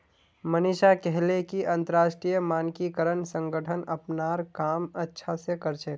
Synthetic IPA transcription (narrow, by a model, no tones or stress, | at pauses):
məniʃakɛɦlekiʔə̃nt̪əɾaʃʈɾijəmaːnkikəɾənsə̃ŋɡəʈʰənəpnaɾkamətːʃʰasekəɾt͡ʃʰek